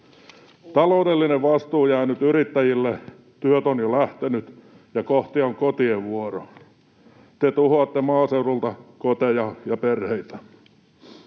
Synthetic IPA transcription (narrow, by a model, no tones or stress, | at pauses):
t̪ɑloudelːineʋʋɑst̪uːjæːnyt̪yrit̪ːæjilːe | t̪yøt̪onjolæht̪enyt̪ | jɑkoht̪ioŋkot̪ieʋʋuoro | t̪et̪uhoɑt̪ːemɑːseurult̪ɑkot̪ejɑjɑperheit̪æ̥